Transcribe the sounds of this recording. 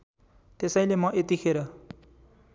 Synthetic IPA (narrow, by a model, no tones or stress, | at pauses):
t̪esʌj̃lemʌʔet̪ikʰeɾʌ